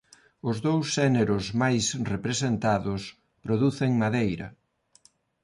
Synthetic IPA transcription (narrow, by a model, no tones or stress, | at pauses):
ʊzðowsːɛneɾʊsmajsrepɾesent̪aðʊs | pɾoðuθeŋmaðejɾɐ̰